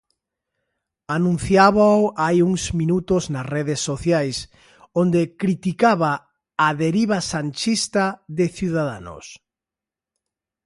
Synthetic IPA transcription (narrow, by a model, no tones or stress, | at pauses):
anũn̟θjaβawʔajuŋzmĩnut̪oznɐsreðesːoθjajs | ond̪ekɾit̪ikaβaː | ðeɾiβasant͡ʃist̪aðɪθjuðaða̰no̰s